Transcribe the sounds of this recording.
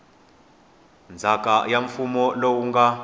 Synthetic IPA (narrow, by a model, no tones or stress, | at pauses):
nd͡zʱakʼajaɱfumɔlowuŋɡa